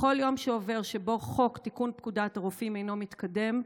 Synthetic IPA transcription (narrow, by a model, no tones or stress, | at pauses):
χo̞ljo̞mʃeove̞ʁʃebo̞χo̞kt̪ikunpkudataʁufime̞jno̞mit̪kade̞m